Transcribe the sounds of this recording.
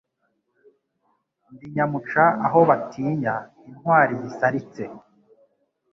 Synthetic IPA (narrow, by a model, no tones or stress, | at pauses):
ndiɲamut͡ʃaaɦo̞βatʰiːɲa | in̥waːɾizisaɾit͡se̞